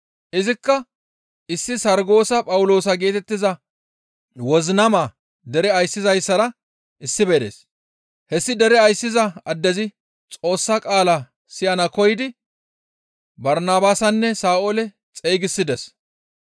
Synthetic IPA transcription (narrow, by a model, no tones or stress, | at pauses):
ʔɪzɪkːɐ | ɪsːɪsɐɾɡo̞ːsɐpʼɐwʊlo̞ːsɐɡe̞ːt̪ɛt̪ːɪzɐ | wɔznɐma | d̪ɛɾɛɐjsːɪzɐjsːɐɾɐ | ɪsːɪbeːd̪ḛːs | hɛsːɪd̪ɛɾɛɐjsːɪzɐɐd̪ːɛzɪ | t͡sʼo̞ːsːɐkʼaːlɐ | sɪjɐnɐkɔjɪd̪ɪ | bɐɾnaːbaːsɐnːɛsaːʔolɛ | t͡sʼejɡɪsːɪd̪ɛs